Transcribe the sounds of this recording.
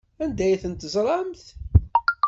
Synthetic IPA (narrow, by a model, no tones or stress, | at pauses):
ænd̪æjθənt̪zˤɾˤɑmθ